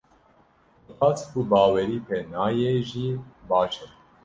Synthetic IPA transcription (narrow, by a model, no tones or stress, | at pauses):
paːt͡skubaːwɛɾiːpeːnaːjeːʒiːbaːt͡ʃɛ